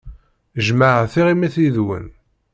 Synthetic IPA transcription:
ʒmaʕθiʁimiθiðwə̰n

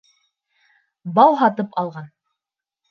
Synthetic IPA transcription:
bɑwɦɑt̪ɤpʰɑlˠʁɑn

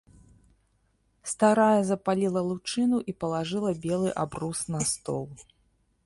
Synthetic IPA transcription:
st̪aɾajɐzɐpalʲilˠɐlˠut͡ʂɨnuʔipɐlˠaʐɨlˠɐbʲɛlˠɨʔabrusnɐst̪ɔ̰lˠ

